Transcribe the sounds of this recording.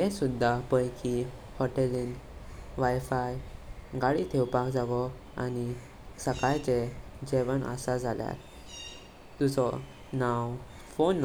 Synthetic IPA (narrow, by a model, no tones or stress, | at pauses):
ɦẽsud̪ʱːapəjki | hɔʈelinʋajfajɡaɭit̪ʰewpakd͡zaʋɔ | a̰ni | səkajt͡sed͡ʑeʋənə̰sad͡zʱalja̰t | t̪ud͡zɔ | naw | fonː